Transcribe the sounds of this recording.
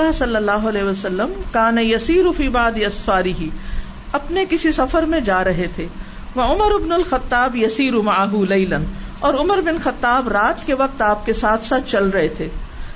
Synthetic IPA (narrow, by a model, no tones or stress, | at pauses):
aɦsɐlːɐlːaːɦʊɐlɛːɦʋɐsɐlːəmkaːnɐjɐsiːɾʊfiːbaʕd̪iɐsfaːɾɪɦi | ɐpnekɪsisɐfəɾmẽd͡ʒaːɾɐɦet̪ʰeː | ʋɐʊməɾɪbnʊlxɐt̪ːaːbjɐsiːɾʊmaʕaɦulɐɪlənɔːɾʊməɾbɪnxɐt̪ːaːbɾaːt̪keʋɐq̚t̪aːp̚kesaːt̪ʰsaːt̪ʰt͡ʃɐlɾɐɦet̪ʰeː